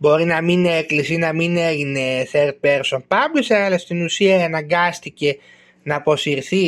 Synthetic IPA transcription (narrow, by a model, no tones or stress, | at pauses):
bo̞ɾinɐmineklisinɐmineʝine̞θeɾt̪̚peɾso̞npɐblisɐɐlɐst̪inusiɐenɐŋɡɐst̪ice̞ | nɐːpo̞siɾθi